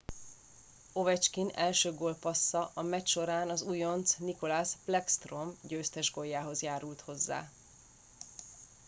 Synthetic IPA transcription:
o̞vɛt͡ʃkinɛlʃøːɡoːlpɒsːɒʔɒmɛcʃo̞ɾaːnɒzujo̞nt̪sniko̞laːsplɛkst̪ro̞mɟøːst̪ɛʒɡo̞jːaːɦo̞zjaːɾult̪ho̞zːa̰ː

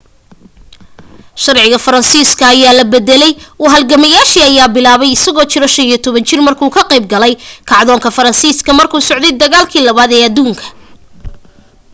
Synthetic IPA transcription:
ʃɐrʕɪɣɐfɐɾɐnsiːskʰɐːjaːlɐbɛd̪ɛlɛjwɑɦɐlɡɐmɐjaːʃiːɐjaːbɪlaːβɛjɪsɐɣɔːt͡ʃɪɾɔʃɐnijɔt̪ʰɔβɐnt͡ʃɪrmɐrkʰuːkʰɐqɛjb̚ɡɐlɛjkʰɑʕðɔːŋkʰɐfɐɾɐnsiːskʰɐmɐrkʰuːsɔʕd̪ɛjd̪ɐɣaːlkʰiːlɐβaːd̪ɛːɐd̪uːŋkʰɐ̥

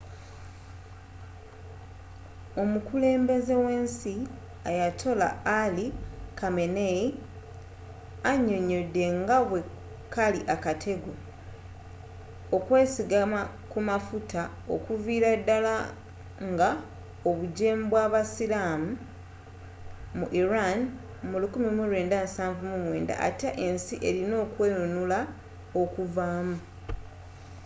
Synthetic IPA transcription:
o̞mukule̞ːmbe̞ze̞we̞ːnsi | ajatʰo̞la̰ːlikame̞ne | aɲːo̞ɲo̞dːe̞ŋɡaβwe̞ | kaliʔakatʰe̞ɡo̞ | okwe̞ːsiɡama | kumafuta | o̞̰kuviːɾadːala | ŋɡa | o̞βuɟeːmbwaːβasiɾaːmu | muʔiɾan | mulukumimuɾwe̞ːndansaːɱvumumwe̞̰ːnda̰ʔa̰teʔe̞nsiʔe̞ɾino̞ːkwe̞jonula | o̞kuvaːmu

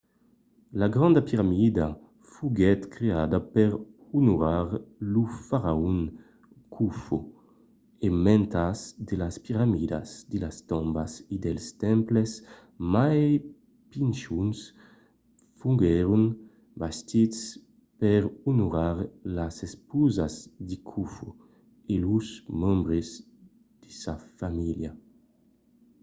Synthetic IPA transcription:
laɡɾɔ̃nd̪apiɾamid̪a | fuɡɛt̪kɾead̪apɛɾ | unuɾaɾlufaɾaun | kʰufṵ | emɛ̃nt̪asd̪elaspiɾamid̪a̰sd̪elast̪ɔ̃mbasid̪ɛlst̪ɛmples | maj | pinʃuns | fuŋɡɛɾun | bast̪its | pɛɾunuɾaɾlasespuzazd̪ikʰufo | eluzmɔ̃mbɾez | d̪̥isafamilja

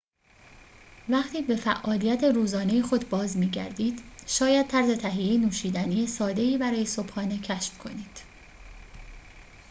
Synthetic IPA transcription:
væχt̪ʰiːbe̞fæ̰ʔɒːlijæt̪ʰe̞ɾuːzɒːnejexo̞d̪bɒːzmiːɟæ̰ɾd̪iːd̪̥ʃɒːjæd̪̥̚t̪ʰæɾze̞t̪ʰæɦijejinuːʃiːd̪ænijesɒːd̪e̞iːbæɾɒːje̞so̞b̥hɒːne̞cʰæʃfkʰo̞̰niːd̪̥

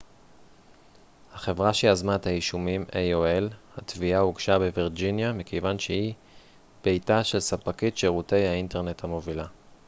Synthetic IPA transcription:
haχe̞vʁaʃiazmaet̪haiʃumimejoelhatviauɡʃabeviʁd͡ʒinjamikejvanʃehi | b̥e̞jtaʃe̞lsapakit̪ʃeʁute̞jhainte̞ʁne̞thamo̞vila

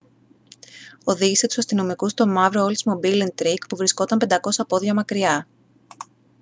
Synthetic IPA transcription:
o̞ðiʝise̞t̪u̥sɐst̪ino̞mikust̪o̞mɐvɾoolsmobilint̪ɾikpuvɾisko̞t̪ɐmpe̞nd̪ɐko̞sɐpo̞ðʝɐmɐkɾiɐ

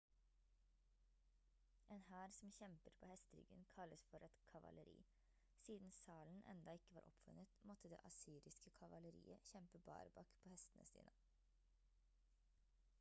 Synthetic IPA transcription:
ʔeːnhæːɾsɔm̩çɛmpəɾpʰo̰ːhɛst̪əɾʏ̰ɡənkʰɑləsfɔɾʔɛt̪kʰɑʋɑ̰ləɾḭː | siːd̪n̩sɑːln̩ʔɛ̰nd̪ɑɪkəʋɑːɾʔɔ̰pfʉnət̪mɔt̪əd̪ḛːʔɑsiːɾɪskəkʰɑʋɑləɾḭːəçɛmpəbɑ̰ːɾbɑkpʰoːhɛst̪ənəsḭːnə

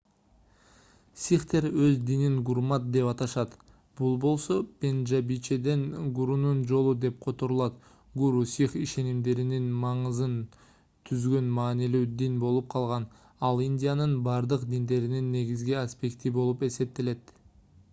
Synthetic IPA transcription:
sʲiχt̪e̞ɾøzd̪iniŋɡuɾmɑt̪̚d̪e̞pɑt̪ɑʃɑt̪ | b̥ulˠbo̞lˠso̞pʲe̞nʒabit͡ʃe̞d̪e̞nɡuɾunund͡ʒo̞lˠud̪e̞p̚qʰo̞t̪o̞ɾulˠɑt̪ | ɡuɾusiχiʃe̞nimd̪e̞ɾininmɑɴɯzɯn | t̪ʰyzɡø̞nmɑːnilyːd̪inbo̞lˠup̚qʰɑlˠʁɑn | ɑlˠinʲdʲijanɯnbɑɾd̪ɯqd̪ind̪e̞ɾininːe̞ɡizɡiasʲpʲe̞kt̪ibo̞lˠupe̞se̞p̚t̪e̞le̞t̪

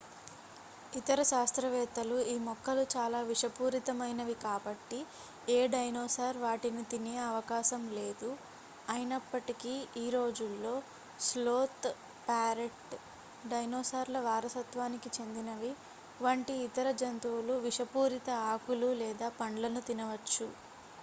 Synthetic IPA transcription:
it̪ɐɾɐʃaːst̪ɾɐʋɛːt̪ɐluiːmɔkːɐlut͡ʃaːlaːʋiʂɐpuːɾit̪ɐmɐjnɐʋikaːbɐʈːi | eːɖɐjnoːsaːɾʋaːʈinit̪ineːɐʋɐkaːʃɐmle̞ːd̪u | ɐjinɐpːɐʈikiiːɾo̞ːd͡ʒulːo̞ː | sloːt̪ | paːɾeʈ | ɖɐjnoːsaːɾlɐʋaːɾɐsɐt̪ʋaːnikit͡ʃe̞nd̪inɐʋi | ʋaːɳʈiːt̪ɐɾɐd͡ʒɐnt̪uwuluʋiʂɐpuːɾit̪ɐaːkululɛːd̪aːpɐɳɖlɐnut̪inɐʋɐt͡ʃːu

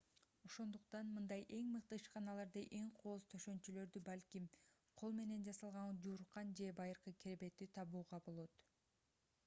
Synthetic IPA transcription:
o̞ʃo̞nd̪uq̚t̪ɑnmɯnd̪ɑjʔe̞ŋmɯq̚t̪ɯɯʃqɑnɑlˠɑɾd̪ɯʔe̞ŋqʰo̞ːzt̪ʰøʃø̞nt͡ʃylø̞ɾd̪ybɑlʲkʲim | qʰo̞lˠme̞ne̞nd͡ʒɑsɑlˠʁɑɴɑd͡ʒuːɾqːɑnd͡ʒe̞bɑjɯɾqɯkʰʲeɾbe̞t̪it̪ʰɑβuːʁɑbo̞lˠo̞t̪

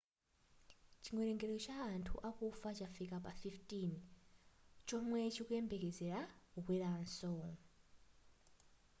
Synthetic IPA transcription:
t͡ʃiŋwɛɾɛŋɡɛɾɛɔt͡ʃaːntʰṵʔakufat͡ʃafikapafiftin | t͡ʃɔmwɛt͡ʃʰikuɛmbɛkɛd͡zɛɾaukwiɾaːnsɔŋ

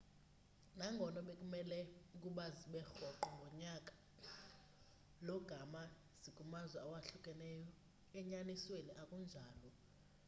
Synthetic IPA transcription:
naŋɡʱɔnɔɓekʼumɛlɛukʼuɓaziɓɛxɔǃɔŋɡʱɔɲakʼḁ | lɔɡ̥ʱama | z̥ikʼumazwɛawaɬukʼɛnɛjɔ | ɛɲanisweniʔakʼund͡ʒʱaːlɔ

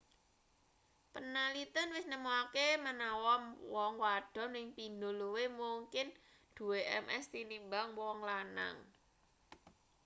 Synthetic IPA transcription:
pənalit̪ənwɪsnəmuakemənawɔmwɔŋwaɖ̥ɔ̤mɪŋpind̪oluwemuŋkɪn | d̪̥ṳweʔɛmʔɛst̪inimbaŋwwɔŋlana̰ŋ

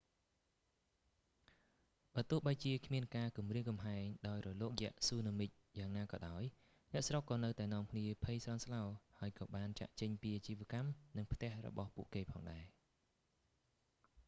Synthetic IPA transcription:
ɓaːt̪ŭəhɓajt͡ɕiəkʰmiənkaːkumriəŋkɑmɦaɛŋɗaɔjrɔloːk̚jɛ̆əʔsuːnəmɨc̚jaːŋnaːkɑ̰ːɗaɔj | nɛ̆əʔsrokːɑːnɨwt̪aɛnŏəmkʰniəpʰəjsrɑnslaɔhaəjkɑːɓaːnt͡ɕa̰ːʔt͡ɕəɲpiːʔat͡ɕiːʋĭəkamnɨŋpʰt̪ɛ̆əhrɔ̰ɓɑhpuəʔkeːpʰɑːŋɗaɛ

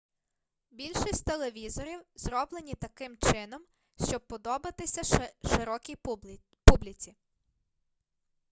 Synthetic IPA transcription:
bʲilʲʃisʲtʲt̪elˠeʋʲizɔɾʲiwzɾɔblˠenʲit̪ɐkɪmt͡ʃɪnɔm | ʃt͡ʃɔb̚pːɔd̪ɔbɐt̪ɪsʲɐʃɪɾɔkʲij | publʲit͡sʲi

